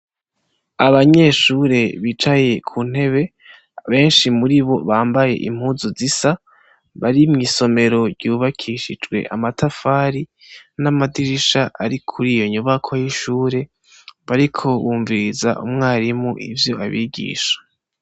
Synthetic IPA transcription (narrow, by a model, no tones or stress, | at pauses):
aβaɲe̞ʃuːɾe̞βit͡ʃaje̞kʰuːn̥e̞βe̞ | βe̞ːnʃimuɾiβo̞βaːmbaje̞̰ʔḭm̥huːzuzisa | βaɾimŋiːso̞me̞ɾo̞ɾɟuːβakʰiʃid͡ʒɡwe̞̰ʔa̰matafaːɾi | namadiɾiʃaʔaɾikʰuɾijo̞ɲuβakʰo̞jiʃuːɾe̞ | βaɾikʰo̞βuːɱviɾiza̰ʔṵmŋaːɾimuʔḭvjo̞aβḭɡḭːʃḁ